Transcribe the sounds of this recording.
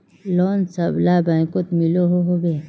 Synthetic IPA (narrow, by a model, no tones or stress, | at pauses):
loːnsɐblabãːkot̪miloɦoɦobe